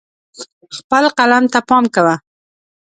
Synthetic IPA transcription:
xpəlqalamt̪apɑmkawa

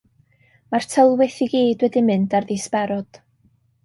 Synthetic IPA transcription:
mar̥tʰəlˠwɪθiɡiːd̥wɛdimɨndarðɪspɛɾɔd̥

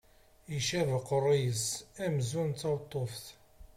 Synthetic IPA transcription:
iʃævəqərˤijəsæmzunt̪ːɑwt̪ˤːofθ

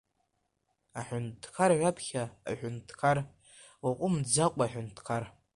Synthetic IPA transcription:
aħʷᶣʊntʰkʰaɾʕʷapʰχʲa̰ːħʷᶣʊntʰkʰar | waqʷʼʊmd͡zaqʷʼaħʷᶣʊntʰkʰar

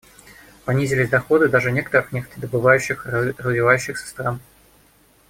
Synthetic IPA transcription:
pɐnʲizʲɪlʲɪzʲd̪ɐxo̞d̪ɨd̪aʐɨnʲe̞kə̥t̪əɾɨxnʲekt̪d̪əbɨvajʉɕːɪxrəzvʲɪvajʉɕːɪxsʲə̥st̪ɾan

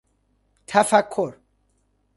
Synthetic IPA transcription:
t̪ʰafakʰːoɾ

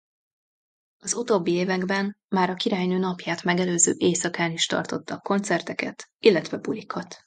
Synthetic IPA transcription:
ɒzut̪oːbːieːvɛɡbɛnmaːɾɒkiɾaːjnøːnɒpjaːt̪mɛɡɛløːzø̰ːʔeːsɒkaːniʃt̪ɒ̰rt̪o̞t̪ːɒkːo̞nt̪sɛrt̪ɛkɛ̰t̪ilːɛt̪vɛbulikʰɒt̪

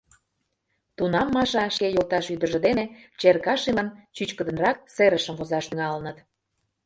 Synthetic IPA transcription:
t̪unɑmːɑʃɑʃkejolt̪ɑʃyd̪ə̆ʒə̆d̪enet͡ɕerkɑʃilənt͡ɕyt͡ɕkə̆d̪ə̆nrɑk̚seɾəʃə̆mvozɑʃt̪yŋɑlənət̪

